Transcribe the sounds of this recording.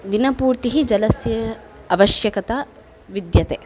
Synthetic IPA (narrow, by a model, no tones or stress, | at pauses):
d̪inɐpuːɾt̪iɦid͡ʒɐlɐsjɐ | ɐʋɐʃjɐkɐt̪ɐ | ʋid̪jɐt̪e